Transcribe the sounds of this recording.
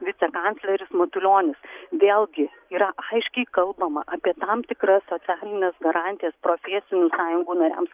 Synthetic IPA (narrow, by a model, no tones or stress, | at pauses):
ʋʲɪtsʲɛkɑnt̪sʲlʲɛɾʲɪsmɐt̪ʊlʲoːnʲɪsʋʲeːlˠɡʲɪ | iːɾɐʔɐɪʃʲkʲɛɪkɐlˠbɐmɐʔɐpʲiɛt̪ɑmt̪ʲɪkɾɐsoːt̪sʲæːlʲɪnʲɛsɡɐɾɑːnʲt̪ʲɪjɛspɾoːfʲɛːsʲɪnʲuːsɑːjʊŋɡuːnɐɾʲæ̰ms